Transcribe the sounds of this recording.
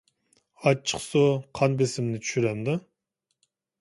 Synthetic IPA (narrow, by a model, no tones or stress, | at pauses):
ɑt͡ʃʰːə̥qsoqʰɑnbesɪmnɪt̪ʰy̥ʃyɾɛmd̪o